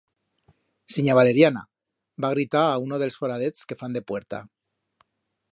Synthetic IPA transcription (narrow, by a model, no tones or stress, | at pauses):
siɲaβ̞ale̞ɾjana̰ | baɣ̞ɾit̪aːunoð̞e̞lsfoɾað̞et͡ske̞fand̪e̞pwe̞ɾt̪a̰